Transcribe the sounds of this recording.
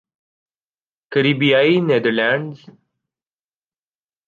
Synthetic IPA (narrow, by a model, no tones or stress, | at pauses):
kəɾiːbijaːineːd̪əɾlãːɳɖz